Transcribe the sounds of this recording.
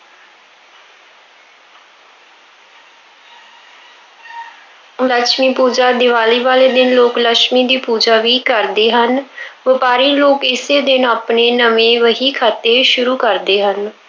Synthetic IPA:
ləkʃmiːpuːd͡ʒaːd̪ɪʋaːliːʋaːleːd̪ɪnloːkləʃmiːd̪iːpuːd͡ʒaːʋiːkəɾd̪eːɦənʋɪpaːɾiːloːkɪseːd̪ɪnaːpneːnəmẽːʋəɦiːkʰaːt̪eːʃʊɾuːkəɾd̪eːɦən

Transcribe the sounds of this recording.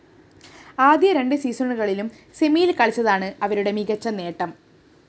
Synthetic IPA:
aːd̪jɐɾe̞ɳɖɨsiːsɐɳɨɣɐɭilum | semijilkɐɭit͡ɕːɐðaːɳɨɐʋɐɾuɽe̞miɣɐt͡ɕːɐne̞ːʈːɐm

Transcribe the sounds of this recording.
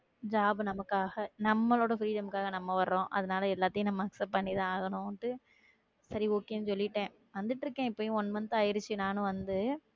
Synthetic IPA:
d͡ʒaːbɯnɐmɐkːaːɣɐnɐmːɐloːɽɐfɾiːɽɐmkːaːɣɐnɐmːɐʋɐɾɯɾõːʔɐ̰ðɐnaːlɐɛlːaːt̪ːɪjʊ̃nɐmːɐɐksɐp̚pːɐɳːiðãːaːɣɐnʊ̃ʈːɯ | sɐɾioːkːejʊnːɯsɔlːɪʈːẽː | ʋɐnd̪ɯʈːɪɾɯkːẽːɪpːoːjʊ̃ɔnːmɐnt̪ːɯɐjɪɾɯt͡ʃːɯnaːnʊ̃ʋɐnd̪ɯ

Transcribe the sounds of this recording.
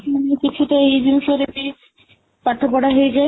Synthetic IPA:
manekit͡ɕʰuʈaejd̪inʃoɾepi | paɾt̪ʰːopɔɽaɦoed͡ʑae

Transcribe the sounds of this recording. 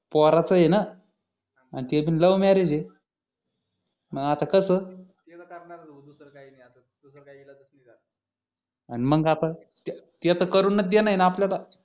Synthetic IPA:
pɔɾat͡səjena | anit̪ebiːnləʋmɛɾed͡ʑe | məɡat̪akəsəːt̪etakəɾɳaɾaəud̪usəɾkaɦinajat̪a | d̪usəɾkaiɡilad̪əsnəd͡zat̪ | animəɡat̪at̪t̪at̪əkəɾuːnːət̪̚d̪jenaɦinaapljala

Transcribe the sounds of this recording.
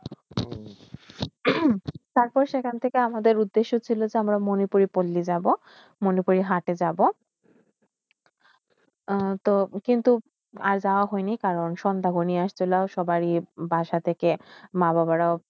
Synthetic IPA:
t̪aɾpɔɾʃekʰant̪ʰekeamad̪eɾud̪ːeʃːot͡ɕʰilod͡ʑeamɾamonipuɾipolːid͡ʑabo | monipuɾiɦaʈed͡ʑabo | t̪okint̪u | aɾd͡ʑaoaɦɔjnikaɾonʃɔnd̪aɡoniaʃt͡ɕʰolaoʃɔbaɾibʱaʃat̪ʰekemababaɾao

